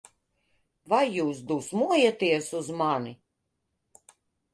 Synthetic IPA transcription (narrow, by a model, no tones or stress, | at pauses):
vajːuːs̬d̪usmuɔjat̪iɛsuzmani